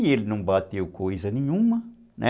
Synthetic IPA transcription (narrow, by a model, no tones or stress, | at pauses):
elinumbat̪ekʰoizaniɲuma | nʔa̰